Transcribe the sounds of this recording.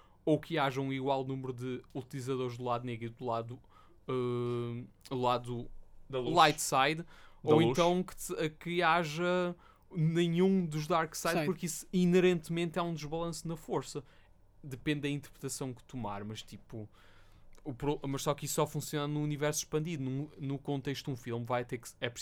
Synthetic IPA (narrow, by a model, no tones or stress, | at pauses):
okʰɨaʒɐũiɣwalˠnumɾuðɨut̪ilˠizɐðoɾʒd̪ulˠaðuneɣɾid̪ulˠaðu | ɛ | ulˠaðud̪ɐlˠlˠajt̪sajðdoẽnuʃt̪ɐ̃w̃kɨ̥ɛkɨaʒɐ | nẽɲũd̪uʒd̪aɾksajðʃpuɾkisinɨɾẽnt̪mẽnt̪ɛũd̪ɨʒβɐlˠɐ̃sunɐfoɾsɐ | d̪ɨpẽnd̪ːɐĩnt̪ɨɾpɾɨt̪ɐsɐ̃w̃kɨ̥t̪uma̰ɾmɐʃt̪ipuː | pɾmɐʃsɔkisːɔfũsijonɐnũːnivɛɾsu̥ʃpɐ̃nd̪iðunũnukõnt̪eʃ̬t̪ud̪ũfilˠmvajt̪eɾksɛpɾ